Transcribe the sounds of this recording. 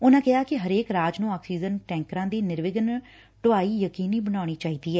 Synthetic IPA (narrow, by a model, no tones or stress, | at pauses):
ʊnãːkɪɦaːkɪɦəɾeːkɾaːd͡ʒnũːaːksiːd͡ʒənʈɛ̃ːŋkɾãːd̪iːnɪɾʋɪɡən | ʈʊaːiːjəkiːniːbənaːɽ̃iːt͡ʃaːiːd̪iːɛː